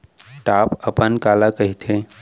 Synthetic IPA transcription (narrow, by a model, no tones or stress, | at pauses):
ʈaːpəpənkaːlakəɦit̪ʰe